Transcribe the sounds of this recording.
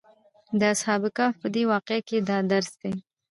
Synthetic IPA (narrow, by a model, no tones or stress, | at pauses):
d̪əashɑbɪkɑpəd̪ewɑqeaked̪ɑd̪aɾsd̪e